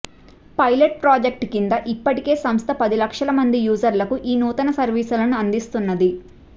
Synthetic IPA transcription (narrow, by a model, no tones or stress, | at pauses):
pɐjleʈ̚pɾaːd͡ʒek̚ʈkind̪ɐʔipːɐʈike̞ːsɐmst̪ʰɐpɐd̪ilɐkʂɐlɐmɐnd̪ijuːd͡ʒɐɾlɐkuʔiːnuːt̪ɐnɐsɐɾʋiːsulɐnuɐnd̪ist̪unːɐd̪i